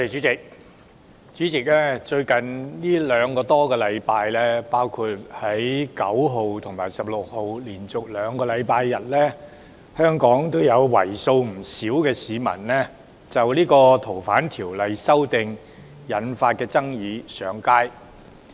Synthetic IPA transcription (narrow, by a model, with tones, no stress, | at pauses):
ɔ˧˥t̪e˨jt͡ʃyː˨˥t͡sɪ˨k̚ | t͡ʃyː˨˥t͡sɪ˨k̚lɛː˥t͡ʃɵ˧ɥkɐ˨nliː˥lœː˨˧ŋkɔː˧t̪ɔː˥kɛː˧lɐ˨˧jpaː˧jlɛː˥paː˥wkʰuː˧t̚hɐ˨˥jkɐ˨˥wɦo˨wt̪ʰʊ˨˩ŋmaː˨˩jsɐ˨p̚lʊ˨k̚ho˨wliː˨˩nt͡sʊ˨k̚lœː˨˥ŋkɔː˧lɐ˨˧jpaː˧jːɐ˨t̚lɛ˥ | hœː˥ŋkɔː˨˥ŋt̪o˥wjɐ˨˧wwɐ̰˨˩jso˧wm̩˨˩siː˨˥wkɛː˧siː˨˧mɐ̰˨˩nlɛ˥ | t͡sɐ˨wliː˥kɔː˧t̪ʰo˨˩wfaː˨˥nt̪ʰiː˨˩wlɐ˨jsɐ˥wt̪ɪ˨ŋ | jɐ˨˧nfaː˧t̚kɛː˧t͡sɐ˥ŋjiː˨˧sœː˨˧ŋkaː˥j